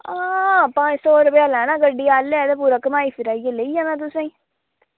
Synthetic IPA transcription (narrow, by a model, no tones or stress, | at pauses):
aːpãːd͡ʒsɔːɾəpejaːlãːnãːɡəɖːiːaːled̪ap̬uɾəkmaːiːpʰɪɾaːijeleiaːnãːt̪̬ʊsãːĩː